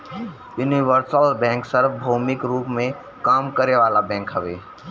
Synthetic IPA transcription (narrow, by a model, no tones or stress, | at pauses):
juniʋəɾsəlbɛ̃ːŋksəɾfbʱoːmɪkɾuːpmẽ | kaːmkəɾeʋaːlabɛ̃ːŋkɦəʋeː